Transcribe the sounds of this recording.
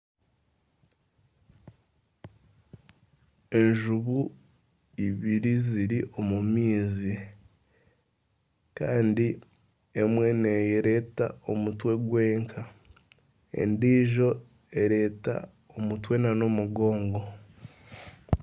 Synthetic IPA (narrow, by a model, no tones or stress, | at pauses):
e̞nʒuβu | iβiɾiziɾiʔo̞mumiːzi | kaːndi | emwe̞ne̞jeɾe̞ːta̰o̞mutwe̞ɡwe̞ːŋkʰa | e̞̰ndiːʒo̞ | e̞ɾe̞ːta̰ | omutwe̞nano̞muɡo̞ːŋɡo